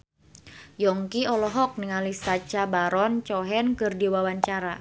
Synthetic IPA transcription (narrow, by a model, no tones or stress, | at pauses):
jɔŋkiɔlɔɦɔk̚niŋalisat͡ʃabaɾɔnt͡ʃɔɦɛnkɨrdiwawaɲt͡ʃaɾa